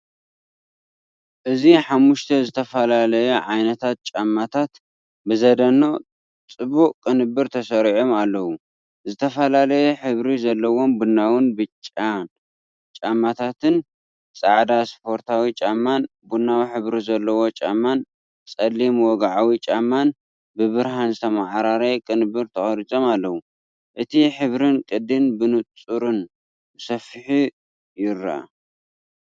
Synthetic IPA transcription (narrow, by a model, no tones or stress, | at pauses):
ʔɨziħamːuʃt̪ʰɐzɨt̪ʰɐfɐlalɐjeʕajnɐt̪ʰat̪̚t͡ʃʼamːat̪ʰat̪ | bɨzɐd̪ɐno̞ | t͡sʼɨbuʔkʼːɨnɨbɨɾt̪ʰɐsɐɾiʕomalːɐwu | zɨt̪ʰɐfɐlalɐjɛħɨβɾizɐlːɐwo̞mbunːawʊnbɨt͡ʃʼːan | t͡ʃʼamːat̪ʰat̪ʰɨn | t͡sʼaʕd̪aspʰo̞ɾt̪ʰawit͡ʃʼamːan | bunːawħɨβɾizɐlːɐwo̞t͡ʃʼamːan | t͡sʼɐlːimwɔɡaʕawit͡ʃʼamːan | bɨβɨɾɦanzɨt̪ʰɐmaʕɾaɾekʼɨnbɨɾt̪ʰɐxʼɐɾit͡sʼo̞malːɐwu | ʔɨt̪ʰiħɨβɾɨnkʼɨd̪ɨnbɨnut͡sʼuɾɨn | bɨsɐfɨħi | jɪɾːaa̰